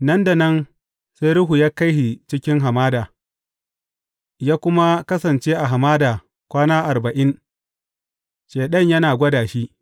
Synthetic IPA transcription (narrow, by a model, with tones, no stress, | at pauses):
nɐ˦nda˨nɐ˦n | se˦ɾʊ˦ɦu˨jaː˦ka˦jɦi˨t͡ʃɪ˦kʲɪ˦ŋɦa˨maː˦daː˨ | jaː˦kʷʊ˦ma˦kɐ˦sɐ˨nt͡ʃeː˦ʔa˨ɦa˨maː˦daː˨ | kʷaː˦naː˦ʔa˨rbɐ˨ʔɪ˦n | ʃeː˨ɗɐ˦˨ɲjɐ˦naː˨ɡʷɐ˦daː˨ʃi˦ʔ